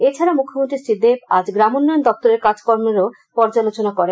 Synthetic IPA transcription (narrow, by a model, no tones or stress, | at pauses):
et͡ɕʰaɾamukʰːomõnt̪ɾisid̪ːepa̰d͡ʑɡɾamonːɔjond̪ɔp̚t̪oɾeɾkad͡ʑkɔɾmeɾo | pɔɾd͡ʑalot͡ɕonakɔɾe